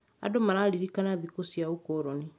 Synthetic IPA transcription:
a̰domaɾaɾiɾikanaðikosijaukɔɾɔni

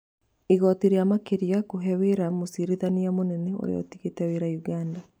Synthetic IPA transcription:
eɣɔtiɾeamakeɾiakoɦɛweɾamosiɾeðaneamonɛnɛo̰ɾḛɔ̰tiɣetɛweɾauɣanda

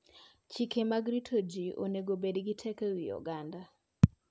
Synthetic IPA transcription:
t͡ʃikʰemaɡɾitʰod͡ʒiʔo̰neɡobedɡɪtʰɛkewijɔ̰ɡanda

